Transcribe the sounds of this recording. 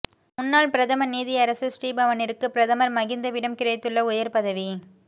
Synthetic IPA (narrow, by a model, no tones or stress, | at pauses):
mʊnːaːɭpɪɾɐðɐmɐniːðɪɐɾɐsɯsʈiːbɐʋɐnɪɾɯkːɯpɪɾɐðɐmɐɾmɐɣɪnd̪ɐʋɪɽɐmkɪɾɐjt̪ːɯɭːɐʊjɐɾpɐðɐʋi